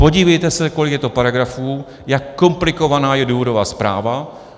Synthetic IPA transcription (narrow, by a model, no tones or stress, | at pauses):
po̞ɟiːvɛjt̪ɛsɛko̞lɪkjɛt̪o̞paɾaɡɾafuː | jakːo̞mplɪko̞vanaːjɛduːvo̞dovaːspɾa̰ːva